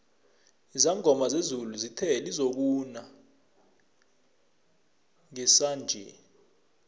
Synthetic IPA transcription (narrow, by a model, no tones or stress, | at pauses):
izaŋɡʱɔmazezuluzitʰɛlizok̬una | ŋɛsand͡ʒʱɛ̰